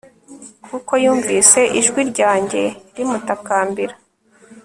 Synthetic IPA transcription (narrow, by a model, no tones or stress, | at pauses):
kuko̞juːɱviːse̞ʔiʒɡwiɾɟaːɲɟe̞ɾimutakaːmbiɾa